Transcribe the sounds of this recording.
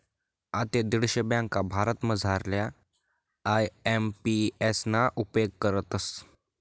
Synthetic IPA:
at̪ed̪iɽɕəbjãŋkabʱaɾət̪məd͡zʱaɾlja | ajempiesnaʔupjoɡ̚kəɾət̪əs

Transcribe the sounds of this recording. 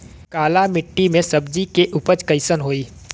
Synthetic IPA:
kaːlamɪʈːimẽsɐbd͡ʒikeʔʊpət͡ʃkəɪsənɦoːiː

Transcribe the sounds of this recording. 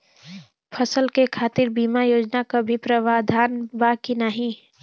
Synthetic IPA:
pʰəsəlkekʰaːt̪ɪɾbiːmajoːd͡ʒnakabʱipɾəʋad̪ʱaːnbakinaɦĩ

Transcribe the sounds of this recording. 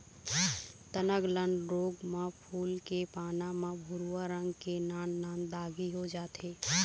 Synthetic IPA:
t̪ənəɡləɳɖɾoɡmẽpʰuːlkepaːnamebʱuɾuaɾə̃ŋɡkenaːnːaːnd̪aːɡiɦod͡ʒaːt̪ʰe

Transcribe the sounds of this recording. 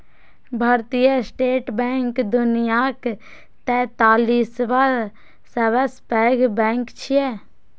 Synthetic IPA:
bʱaːɾt̪ijəsʈeːʈbɛ̃ːŋkd̪ʊnijak | t̪ɛːt̪aːliːsʋaɾ | səʋəspɛːɡbɛ̃ːŋkt͡ʃʰije

